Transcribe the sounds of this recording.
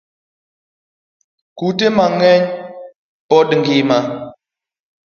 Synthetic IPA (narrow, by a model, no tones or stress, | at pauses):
kutemaŋɛɲ | pɔɗɨŋɡima